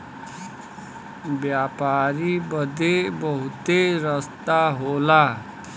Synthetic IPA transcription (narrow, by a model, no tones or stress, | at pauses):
bjapaɾibʌd̪ebʌɦut̪eɾʌst̪aɦola